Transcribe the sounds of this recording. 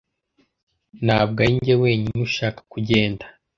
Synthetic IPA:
naːb̚ɡaiɲɟewe̞ːɲinuʃaːkḁkuɟe̞ːndḁ

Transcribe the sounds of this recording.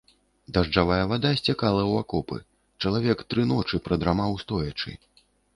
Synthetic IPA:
d̪aʐd͡ʐavajɐvad̪asʲt͡sʲakalˠɐwakɔpɨ̰ | t͡ʂɐlˠavʲɛkt̪ɾɨnɔt͡ʂɨpɾɐd̪ɾamawst̪ɔjɐt͡ʂɨ̰

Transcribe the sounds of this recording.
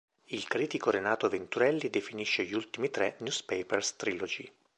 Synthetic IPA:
ilkɾiːt̪ikoɾenaːt̪oavent̪uɾɛlːid̪efiniʃːeʎiult̪imit̪ɾɛnjuspepɛrst̪ɾilod͡ʒi

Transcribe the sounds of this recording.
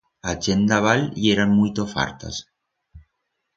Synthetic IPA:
at͡ʃend̪aβalieɾanmujt̪ofa̰ɾt̪a̰s

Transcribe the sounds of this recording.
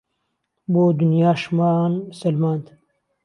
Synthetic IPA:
boːd̪unjaːʃmaːnmsɐlmaːnd̪

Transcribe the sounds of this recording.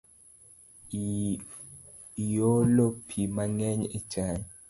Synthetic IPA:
jolopʰimaŋɛɲet͡ʃaɲ

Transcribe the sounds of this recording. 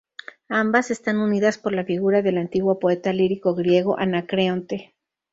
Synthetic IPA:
ambase̞st̪anuniðaspo̞ɾlafiɣuɾaðe̞lant̪iɣwopo̞e̞t̪aliɾiko̞ɣɾjeɣo̞ʔanakɾeont̪e̞

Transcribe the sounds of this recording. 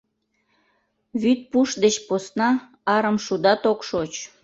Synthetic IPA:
βyt̪̚puʃd̪et͡ɕposnɑ | ɑɾəmʃud̪ɑt̪okʃot͡ɕ

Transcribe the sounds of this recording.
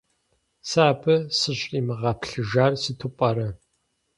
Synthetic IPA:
saːbʰɨsɨɕʼimɨʁɐpʰɬɨʒaːrsɨtʰupʼɐɾɐ

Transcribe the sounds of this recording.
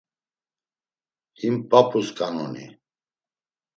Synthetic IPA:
himpʼapʰʼuskʼanɔ̰nḭ

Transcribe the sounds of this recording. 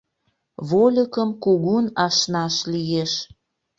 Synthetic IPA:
βolʲəkəmkuɣunɑʃnɑʃlijeʃ

